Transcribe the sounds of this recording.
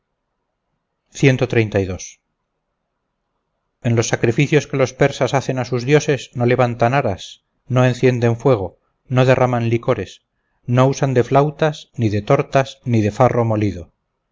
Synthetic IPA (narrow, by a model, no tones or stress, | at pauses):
θje̞nt̪o̞t̪ɾe̞jnt̪ajðo̞s | e̞nlo̞sːakɾifiθjo̞ske̞lo̞spe̞ɾsasaθe̞nasuzðjo̞se̞sno̞le̞βant̪anaɾas | no̞e̞nθje̞nd̪e̞ɱfwe̞ɣ̞o̞ | no̞ðe̞rʔamanliko̞ɾe̞s | no̞usand̪e̞flawt̪asniðe̞t̪o̞ɾt̪asniðe̞faro̞mo̞liðo̞